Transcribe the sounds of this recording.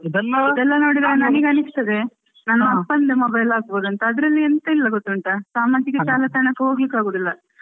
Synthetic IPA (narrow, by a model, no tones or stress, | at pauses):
id̪ɐid̪ɛlːɐno̞ːɽid̪aːɾenɐniɡeɐnɯst̪ɐd̪e | nɐnːɐɐɐspɐnd̪emɐbɐjɐlːaːkboːd̪uɐnt̪ɐːd̪ɐɾɐlːient̪ɐilːɐɡot̪ːuɐɳʈɐsaːmaːd͡ʒikɐt͡ʃaːlɐt̪ɐɳɐkːeɦo̞ːɡlikːaːɡoːd̪ilːɐ